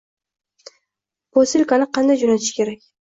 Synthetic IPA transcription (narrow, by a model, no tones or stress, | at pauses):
posɪlʲkanɪqʰɑnd̪ajd͡ʒonat̪ʰɪ̥ʃkʲʰe̞ɾakʲ